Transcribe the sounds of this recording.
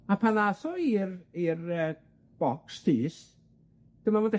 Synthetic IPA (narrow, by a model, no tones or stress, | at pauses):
apʰanaθɔirirəː | b̥ɔkstʰiːs | d̥əmavondɛ